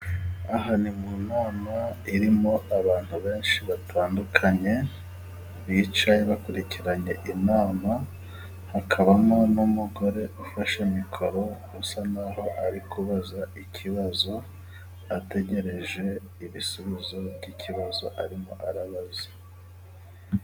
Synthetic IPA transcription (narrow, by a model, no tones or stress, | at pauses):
aɦanimunoːnaiɾimo̞aβaːn̥huβe̞ːnʃiβatʰaːndukʰaɲe̞ | βit͡ʃajeβakuɾiciɾaɲe̞ʔinaːma | hakʰaβamonumuɡo̞ɾe̞ufaʃemikʰo̞ɾo̞ | usanaho̞ʔaɾikʰuβazaicʰiβazo̞ | ate̞ɟe̞ɾe̞ʒe̞ | iβisuβizo̞βjicʰiβazo̞ʔaɾimo̞̰ʔaɾaβaze̥